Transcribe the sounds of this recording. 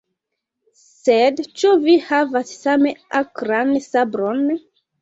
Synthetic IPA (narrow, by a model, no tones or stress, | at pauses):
sedt͡ʃuvihavassameakɾansabɾon